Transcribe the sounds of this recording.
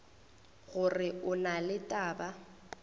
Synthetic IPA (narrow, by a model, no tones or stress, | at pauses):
ɣʊrɪʊnalɪtʼaːba